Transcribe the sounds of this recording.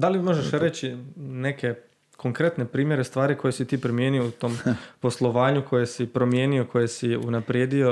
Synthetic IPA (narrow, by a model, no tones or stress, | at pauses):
d̪alimo̞ʒeʃɾet͡ɕine̞ke̞ | kʰo̞ŋkɾe̞t̪nepɾiːmje̞ɾe̞st̪ʋaːɾiko̞jesit̪iːpɾimje̞ːniout̪o̞ːmpo̞slˠo̞ʋaːɲukʰo̞jesipɾo̞mje̞ːnio̞kʰo̞jesiunapɾjed̪io̞